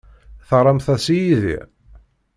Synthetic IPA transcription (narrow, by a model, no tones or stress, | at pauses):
θɾˤɑmθæsijiðḭʁ